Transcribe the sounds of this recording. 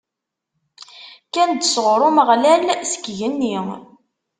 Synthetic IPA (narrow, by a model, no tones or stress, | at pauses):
kænd̪əsʁɾˤʊməʁlælsə̥kʝənːi